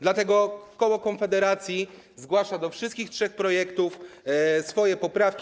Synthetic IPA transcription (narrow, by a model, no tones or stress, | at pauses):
d̪lat̪ɛɡɔkɔwɔkɔnfɛd̪ɛɾat̪sʲji | zɡwaʂad̪ɔfʂɨst̪kʲixtʂɛxpɾɔjɛkt̪ufsfɔjɛpɔpɾafkʲ